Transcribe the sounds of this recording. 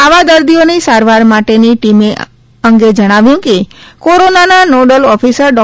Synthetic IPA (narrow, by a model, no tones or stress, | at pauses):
aʋad̪əɾd̪ionisaɾʋaɾmaʈeniʈime | əŋɡed͡ʒəɽ̃aʋjũkekoɾonananoɖəlɔfʰisəɾɖɔ